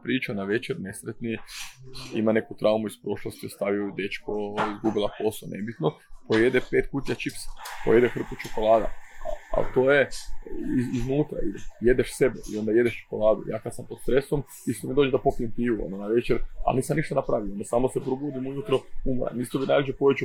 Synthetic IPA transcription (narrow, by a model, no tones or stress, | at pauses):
pɾiːt͡ʃanaʋe̞t͡ʃeɾnesɾet̪ni | ḭmane̞kut̪ɾʔaumuispɾo̞ʃlˠost̪jost̪aʋiod̪e̞t͡ʃkoizɡubilˠako̞sonʔe̞bit̪nopoje̞d̪epeːt̪kuːt̪ʲjat͡ʃipsḁpo̰je̞d̪exr̩k̪ut͡ʃokolˠaːd̪a̰aa̰t̪oːje̞ | iiznuːt̪ɾa̰ilje̞d̪eʃse̞beḭo̞nd̪aje̞d̪eʃt͡ʃo̥ko̞lˠaːd̪ṵja̰ːkad̪sampot̪st̪ɾe̞som | ist̪omid̪od͡ʒed̪apokiemp̪iːʋuo̰nonaʋe̞t͡ʃeɾa̰lniːsamniʃt̪anapɾaːʋioond̪asaːmosepɾuɡud̪imujut̪ɾoumɾa̰nist̪obinaːjid͡ʒopoet͡ʃu